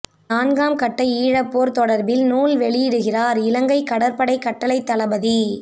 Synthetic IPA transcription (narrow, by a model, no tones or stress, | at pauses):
naːnɡaːmkɐʈːɐɪiːɻɐpːoːɾt̪ɔɽɐɾbɪlnuːlʋɛɭɪjɪɽɯɣɪraːɾɪlɐŋɡɐɪkɐɽɐɾpɐɽɐɪkːɐʈːɐlɐɪt̪ːɐlɐbɐði